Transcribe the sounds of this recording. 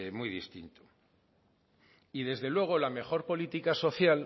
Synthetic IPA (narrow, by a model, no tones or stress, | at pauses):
mwijðḭst̪ḭnt̪u̥ | iðe̞zðe̞lwe̞ɣ̞o̞lame̞xo̞ɾpo̞lit̪ikaso̞θjal